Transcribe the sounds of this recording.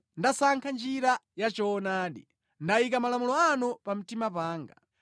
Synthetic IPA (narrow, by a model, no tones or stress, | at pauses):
ndasaŋkʰand͡ʒiɾajat͡ʃɔːnaːɗḭ | ndaikamalamulɔanupam̩timapaːŋɡa